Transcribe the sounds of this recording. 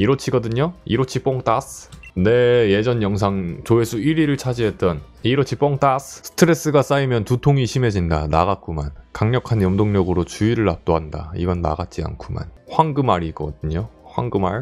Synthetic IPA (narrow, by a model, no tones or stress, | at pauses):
iɾot͡ɕʰiɡʌdɯɲoḭɾot͡ɕʰip͈oŋt͈asne̞je̞d͡ʑʌnjʌŋs̬ʰaŋt͡ɕoesʰuiɾiɾɯɭt͡ɕʰad͡ʑiɦe̞t͈ʌn | iɾot͡ɕʰip͈oŋt͈assʰɯ̥tʰɯɾe̞s͈ɯɡas͈aimjʌntutʰoŋiɕʰime̞d͡ʑindanaɣak͈oma̰nkaŋɲʌkʰanjʌmdoŋɲʌɡɯɾot͡ɕuiɾɯɭap̚t͈oɦanda̰iɡʌnːa̰ɡat̚t͡ɕ͈ia̰nkʰuma̰nɸwaŋɡɯmaɾiɡʌdɯɲoɸwaŋɡɯmaɭ